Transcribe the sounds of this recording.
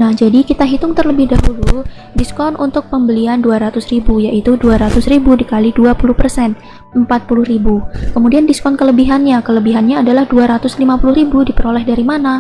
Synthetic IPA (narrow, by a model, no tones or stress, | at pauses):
nahd͡ʒadikit̪aɦit̪ʊŋt̪ərləbɪhdaɦulu | diskɔnʔunt̪ʊk̚pəmbəlianduaɾat̪ʊsɾibujaʔit̪uduaɾat̪ʊsɾibudikaliduapulʊhpərsɛn | əmpat̪̚pulʊhɾibukəmudiandiskɔnkələbiɦanɲakələbiɦanɲaːdalahduaɾat̪ʊslimapulʊhɾibudipəɾolɛhdaɾimana